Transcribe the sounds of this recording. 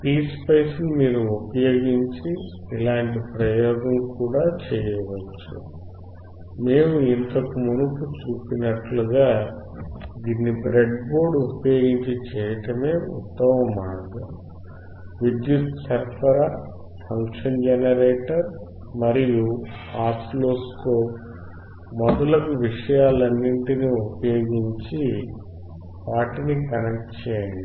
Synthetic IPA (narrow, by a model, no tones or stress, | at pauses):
piːspɐjsnumiːɾuupɐjo̞ːɡiɲt͡ʃiːlaːɳʈipɾɐjɔːɡɐmkuːɽaːt͡ʃɛːjɐʋɐt͡ʃːṵ | me̞ːmuint̪ɐkumunukut͡ʃuːpinɐʈluɡaː | d̪iːnːibɾeɖbo̞ːɾɖupɐjo̞ːɡiɲt͡ʃit͡ʃɛːjɐʈɐme̞ːṵt̪ːɐmɐmaːɡɐ | ʋid̪jutsɐɾpʰɐɾaː | pʰɐŋkʂɐnd͡ʒenɐɾeːʈɐɾ | mɐɾijuaːsloːskoːp | mɔd̪ɐlɐkuʋiʂɐjaːlɐnːiɳʈiniupɐjo̞ːɡiɲt͡ʃi | ʋaːʈinikɐnɐk̚ʈt͡ʃɛːjɐɳɖi